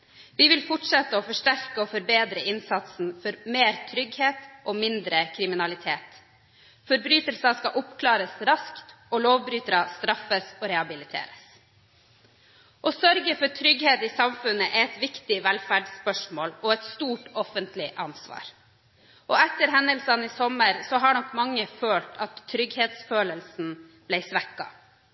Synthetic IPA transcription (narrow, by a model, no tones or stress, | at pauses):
ʋiːʋɪlfʊʈʂɛt̪ːəɔfɔʂʈæɾkəɔfɔɾbeːd̪ɾəɪnsɑt̪sn̩fɔɾmeːɾt̪ʰɾʏɡheːt̪ʔɔːmɪnd̪ɾəkʰɾɪmɪnɑlɪt̪ʰeːt̪ | fɔɾbɾyːt̪əlsɑskɑʔʊpkʰlɑːɾəsɾɑskt̪ | ɔloːʋbɾyːt̪ɾɑst̪ɾɑfəsɔːɾɛhɑbɪlɪt̪ʰḛːɾəs | ʔɔsœɾɡəfɔʈʰɾʏɡheːt̪ɪsɑmfʉnːəʔɛɛt̪ʋɪkt̪ɪʋɛlfæɖspœʂmoːlɔɛt̪st̪uːʈɔfənt̪lɪʔɑnsʋɑ̰ːɾ | ʔɔɛt̪ːəɾɦɛnd̪əlsɑnɪsɔməɾsɔɦɑɳɔkːmɑŋːəføːlʈʰɑt̪ʰːɾʏɡheːt̪sføːləlsn̩ | b̥læɪsʋɛkːɑ̰